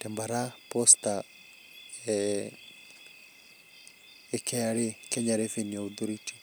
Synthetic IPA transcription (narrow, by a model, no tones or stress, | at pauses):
tɛmbaɾapɔst̪a | ɛ | ekʰɛaɾekɛɲaɾefeniɔuðoɾiti̥